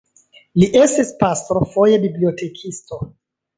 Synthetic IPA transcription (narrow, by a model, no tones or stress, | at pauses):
liʔe̞stispastɾofo̞je̞bibliote̞kʰisto̞